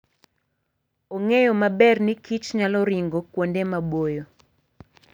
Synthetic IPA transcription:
oŋejɔmabɛrnikit͡ʃɲalɔɾiŋɡokwondemabojo

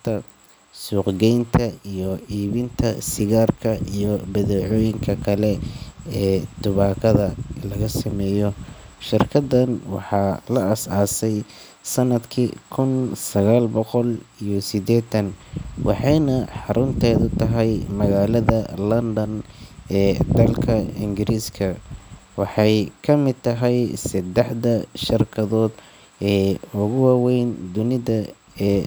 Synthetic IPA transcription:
t̪ʰɐ | suːqɡɛjnt̪ʰɐijɔʔiːβɪnt̪ʰɐsɪɣaːrkʰɐʔijɔbɐðɛːʕɔːjɪŋkʰɐkʰɐlɛɛːt̪ʊβaːkʰɐðɐlɐɣɐsɐmɛːjɔʃɪrkʰɐd̪ɐnwɑ̰ħɑːlɐɐsaːsɛj | sɐnɐd̪kʰikʰʊnsɐɣaːlbɔqɔlijɔsɪd̪ɛːt̪ʰɐnwʔɑ̰ħɑjnɐħɑɾʔʊnt̪ʰɛːðʊt̪ʰɐɦɛjmɐɣaːlɐðɐlɐnd̪ɐnɛːd̪ɐlkʰɐɪŋɡɪɾiːskʰɐwɑħɑjkʰɐmɪd̪̚t̪ʰɐɦɛjsɐd̪ɛħd̪ɐʃɪrkʰɐðɔːd̪ | ɛːʊɣʊwaːwɛjnd̪ʊnɪðɐ | ɛː

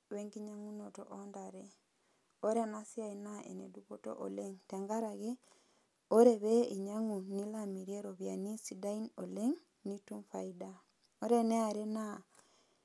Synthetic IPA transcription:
weŋɡiɲaŋunoto̰ʔondaɾe | oɾenasiainaḛnḛduβoto̰ʔoleŋtɛŋɡaɾaɣe | oɾeβeiɲaŋunilamiɾieɾoβjanisidainoleŋ | nituɱfaida | oɾeneaɾena

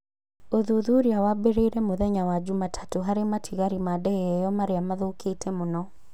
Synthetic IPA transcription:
oðuðuɾiawabeɾeiɾɛmoðɛɲawad͡ʒumatʰḁtoɦaɾematʰiɣaɾimadɛɛjɔmaɾeamaðokʰetʰɛmonɔ

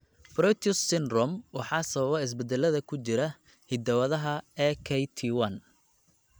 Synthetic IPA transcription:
bɾɔt̪ʰʊsːɪnrɔmwɑħɑːsɐβɐβɐɪs̬bɛd̪ɛlɐðɐkʰʊt͡ʃɪɾɐ | hɪd̪ɐwɐðɐɦɐɛːkʰɛjt̪ʰiwɐn

